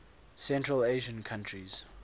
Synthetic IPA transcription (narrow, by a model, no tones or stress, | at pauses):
sɛ̃ntɹəleʒə̃nkʰãntʰɹiz̥